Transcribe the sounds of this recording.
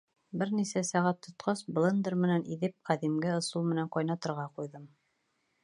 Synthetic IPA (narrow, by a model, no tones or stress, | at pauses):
bɘɾnisæsæʁæt̪ʰːŏt̪qɑsblˠɤ̆nd̪ɤɾmɘ̆nænʔiðɘp̚qæðimɡɘɤ̆sulˠmɘ̆næŋqɑjnɑt̪ɤ̆ɾʁɑqujðɤm